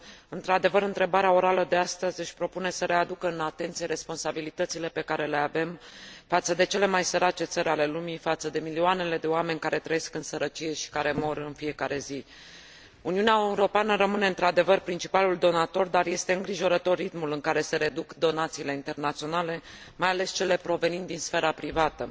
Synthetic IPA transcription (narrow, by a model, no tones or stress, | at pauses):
ɨnt̪ɾad̪e̞vəɾɨnt̪ɾebaɾeao̞ɾaləd̪e̞ast̪əzʲɨʃʲpɾo̞pune̞səɾe̞ad̪ukəɨnat̪e̞nt̪sije̞ɾʔe̞spo̞nsabilit̪ət̪sile̞pe̞kaɾe̞le̞ave̞mfat̪səd̪e̞t͡ʃe̞le̞majsəɾat͡ʃe̞t̪səɾʲale̞lumifat̪səd̪e̞milioane̞le̞d̪e̞oame̞nʲkaɾe̞t̪ɾəje̞skɨnsəɾət͡ʃije̞ʃi̥kaɾe̞mo̞rɨnfije̞kaɾe̞zi | uniuneaeuɾo̞peanəɾəmɨne̞ɨnt̪ɾad̪e̞vərpɾint͡ʃi̥paluld̪o̞nat̪o̞rd̪arje̞st̪e̞ɨŋɡɾiʒo̞ɾət̪o̞rit̪mulɨŋkaɾe̞se̞ɾe̞d̪ukd̪o̞nat̪siːle̞int̪e̞rnat̪sio̞nale̞ | majale̞st͡ʃe̞le̞pɾo̞ve̞nind̪insfe̞ɾapɾivat̪ə